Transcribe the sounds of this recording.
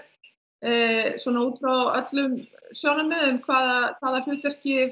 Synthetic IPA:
swɔnauːt̪fɾawœt̪lʏmsjawnamːɛðʏmkʰvaːðakʰv̥aːðarʏːt̪ɛr̥cɪ

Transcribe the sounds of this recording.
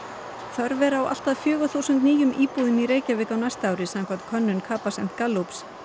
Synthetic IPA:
θœɾvɛːɾaːwa̰l̥t̪aðfjœːɣʏθuwsʏnt̪niːjʏmiːpuːðɪmiɾeːjcavɪːkawnajst̪aːwɾɪsaŋkʰvat̪kʰœnːʏnkʰaːpasɛm̥t̪̚kalːups

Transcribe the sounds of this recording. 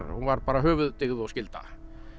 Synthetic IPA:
uvaɾpaːɾaɦœːvʏðt̪ɪɣðɪɔscɪlt̪a̰

